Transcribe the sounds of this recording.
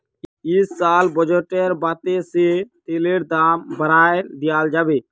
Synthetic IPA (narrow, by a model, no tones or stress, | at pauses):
ɪsːaːlbəd͡ʒəːʈeɾbaːt̪eset̪eːleːɾd̪aːmbəɾaːed̪ɪjaːld͡ʒaːbeː